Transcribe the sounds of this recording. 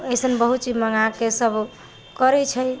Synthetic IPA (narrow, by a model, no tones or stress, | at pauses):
əjsənbəɦut̪t͡ʃiməŋakesəbʱ | kəɾɛt͡ʃʰəj